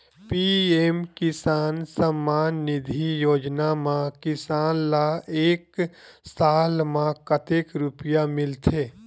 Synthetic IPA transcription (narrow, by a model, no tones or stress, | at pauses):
piemkɪsaːnsəmːaːnːɪd̪ʱijoːd͡ʒnamãkɪsaːnlaeːksaːlmãkət̪ekɾʊpjamɪlt̪ʰeː